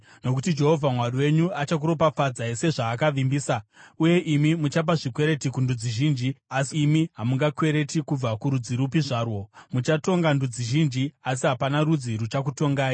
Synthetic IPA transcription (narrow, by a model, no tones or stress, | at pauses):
no̞kutid͡ʒe̞ɦo̞vʱamwariwe̞ɲuat͡ʃak̬uɾo̞pafad͡zaise̞ʐaːkaʋimbiːsauje̞ʔimimut͡ʃap̬aʐikwe̞ɾe̞tikundud͡ziʒiːnd͡ʒiasiːmiɦamuŋɡakwe̞ɾe̞tikub͡vakuɾud͡ziɾupiʐaːrwo̞mut͡ʃato̞ŋɡandud͡ziʒind͡ʒias̬iɦapanaɾud͡ziɾut͡ʃak̬uto̞ŋɡaːji